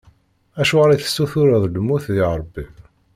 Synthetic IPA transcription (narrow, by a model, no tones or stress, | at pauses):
æʃuʁɾˤɑθə̥sːuθʊɾəðˤlmːuθðiʁɾˤbːim